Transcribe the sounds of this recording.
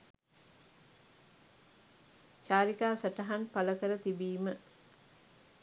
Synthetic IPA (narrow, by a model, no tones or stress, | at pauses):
ʃaːɾikaːsaʈəɦanpaləkəɾət̪ibiːmə